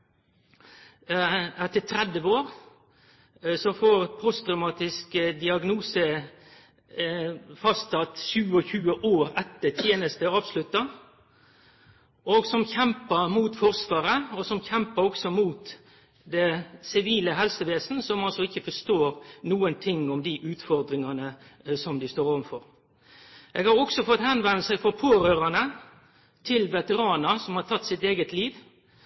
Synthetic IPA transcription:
ɛt̪ːət̪ʰɾɛd̪əʋoːʁ | sɔfoːʁpʰɾɔst̪ɾɑmɑːt̪ɪskd̪ɪɑɡnuːsə | fɑst̪ɑt̪ʃʉːɔçʉːəʔoːɾɛt̪ːət̪ʰjeːnəst̪əɑːʋslʉt̪ːɑ | oɡsɔmçɛmpəmuːt̪fɔʁsʋɑːɾəɔsɔmçɛmpəɾɔksɔmuːt̪ | d̪ɛsɪʋiːləɦɛlsəʋeːsnəsɔmɑlsɔɪçːəfɔʂt̪oːɾnuːənt̪ʰɪŋːɔmd̪ɪʔʉːt̪fɔɾd̪ɾɪŋɑnəsɔmd̪ɪst̪oːɾɔʋənfɔɾ | ʔeːɡhɑɾɔksɔfɔt̪hɛnʋɛnəsæɪfɔɾpʰoːɾøːɾɑnə | t̪ʰɪlʋɛt̪əʁɑːnəsɔmhɑɾt̪ʰɑt̪ːsɪt̪eːɡət̪liːʋ

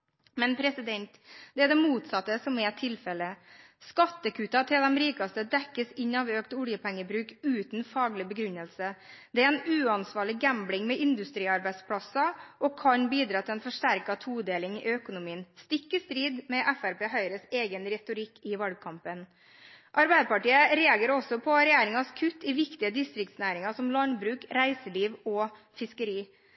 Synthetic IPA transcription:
mɛnpʰɾɛsɪd̪ɛnt̪d̪̥ɛæd̪ɛmuːt̪sɑt̪ːəsɔmɛt̪ʰɪlfɛlə | skɑt̪ːəkʰʉːt̪ɑt̪ʰɪld̪ɛmɾiːkɑst̪əd̪ɛkːəsɪɲːɑʋøːkt̪ʊljəpʰɛŋːəbɾʉːkʉːt̪nfɑːɡlɪbəɡɾʉnːəlsəd̪̥ɛæɾɛnʉːɑnsʋɑːɭɪɡæmblɪŋmɛʔɪnd̪ʉst̪ɾiːɑɾbæɪspʰɽɑsɑʔɔkʰɑnbiːd̪ɾɑːt̪ʰɪlɛnfɔʂʈæɾkɑt̪ʰuːd̪eːlɪŋɪ̰œkʊnʊmiːənst̪ɪkːəst̪ɾiːd̪mɛʔæfæɾpeːɦœʏɾəseːɡənɾɛt̪ʊɾɪkːɪʋɑlɡ̚kʰɑmpən | ʔɑɾbæɪd̪əpɑʈiːəɾeːɑɡeːɾɔsːɔpʰɔɾɛjeːɾɪŋɑskʰʉt̪ːɪʋɪkt̪ɪəd̪ɪst̪ɾɪk̚t̪snæːɾɪŋɑsɔmlɑnbɾʉːkɾæɪsəliːʋɔfɪskəɾiː

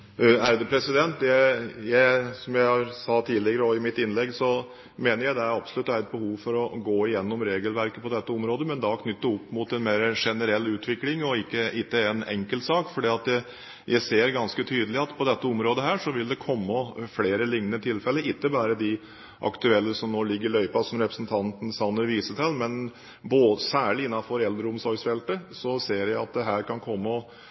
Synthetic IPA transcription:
æɾd̪əpʰɾɛsɪd̪ɛnt̪ːjæjæɪsɔmjæɪhɑɾsɑt̪ʰiːlɪɡəɾəɔɪmɪt̪ɪnlɛɡːsɔ | meːnəɾjæɪd̪ɛæɾɑbsɔlʉt̪ːæɾɛt̪̚bəhuːʋfɔɾɔɡoːɪjɛnːɔmɾeːɡəlʋæɾkəpɔd̪ɛt̪ːəɔmɾoːd̪əmɛnd̪ɑkʰnʏt̪ːəɔpːmʊt̪ɛnmeːɾəʂɛnəɾɛlːʉːt̪ʰʋɪklɪŋɔɪkːəɪt̪ːəɛnɛ̰ŋkəlt̪sɑːkfɔɖiːɑt̪ɛ | jʔæɪseːɾɡɑnskət̪ʰyːd̪əlɪɑt̪pʰɔd̪ɛt̪ːəɔmɾoːd̪əɦæːʂɔʋɪld̪ɛkʰɔmːɔfleːɾəlɪŋnət̪ʰɪlfɛlːəʔɪt̪ːəbɑːɾəd̪ɪ | ʔɑ̰kt̪ʉɛlːəsɔmnoːlɪɡːəɾɪlœʏpɑsɔmɾɛpɾə̥snt̪ʰɑnt̪n̩sɑnːəʋiːsət̪ʰɛlmɛn | boːəsæːɭɪɪnːɑfɔɾɛld̪ɾəʊmsɔɾɡsfɛlt̪əsɔseːɾjæɪɑt̪̚d̪ɛɦæːɾkʰɑnkʰɔmːəɔ

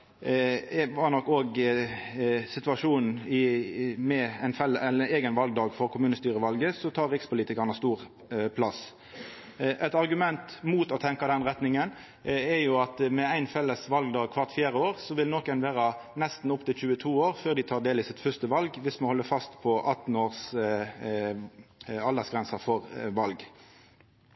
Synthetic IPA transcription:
ʋɑnɔkːoːɡ | sɪt̪ʉʋɑʂuːnn̩ɪmɛæɪnfɛləɛeːɡənʋɑlɡd̪ɑːɡfɔɾkʰʊmʉːnəst̪yːɾəʋɑlɡəsɔt̪ʰɑːɾɪkspʊliːt̪ɪkɑnəst̪uːʁ | pʰlɑs | ʔɛt̪ɑɾɡʉmɛnt̪muːt̪ɔt̪ʰɛŋkɑd̪ɛnʁɛt̪nɪŋən | ɛɾjʊɑt̪mɛæɪnfɛlːəsʋɑlɡd̪ɑːɡ̚kʰʋɑʁt̪fjæːɾəoːʁsɔʋɪlnɔkɛnʋeːɾɑnɛst̪n̩ʊpt̪ɪlçʉːət̪ʰuːoːɾføːʁd̪ɪt̪ʰɑːʁd̪eːlɪsɪt̪fœst̪əʋɑlɡʋɪsmɑnhɔlːəfɑst̪pʰɔʔɑt̪n̩oːʁs | ɑld̪ɑsɡɾʁɛnsɑfɔʁʋɑlɡ

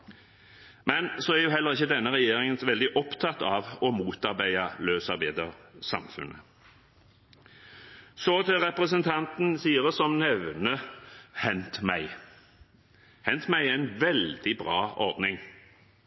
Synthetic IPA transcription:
mɛnsɔæʁjʊɦɛlːəʁɪçːəd̪ɛnːəʁɛjeːɾɪŋənʋɛld̪ɪʔɔpt̪ʰɑt̪ɑʋɔmuːt̪ɑɾbæɪɑløːsɑɾbæɪd̪əʁsɑ̰mfʉ̰nʔə̰ | sot̪ʰɪɾɛpɾəs̬ənt̪ʰɑnt̪n̩siːəʁəsɔmnɛʋnəhɛnt̪mæɪ | hɛnt̪mæɪæɪnʋɛld̪ɪbʁɑːɔɾd̪nɪŋ

